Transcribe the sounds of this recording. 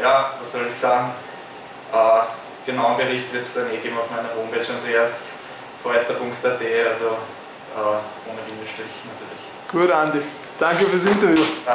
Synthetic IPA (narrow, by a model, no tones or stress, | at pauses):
jaːvassɔlɪçsaːɡŋ̩ | ʔɛː | ɡ̥ənaʊənbəʁɪçtvɪɐtsd̥aneːɡeːbm̩ɑʊfmæɪnɐɦoːmbɛt͡ʃand̥ʁeːɐs | foːɐɛtɐpʊŋktadeːalzo | ʔɛːʔoːnəvinəʃtʁ̥ɪçnɐtʰyːɐlɪç | ɡ̥uɐɾandi | d̥aŋkəfyːɐsɪntɐvjuː